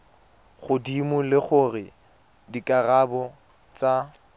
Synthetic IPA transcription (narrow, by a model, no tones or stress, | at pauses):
χʊdimʊlɪχʊrɪ | dikʼarabɔ | t͡sa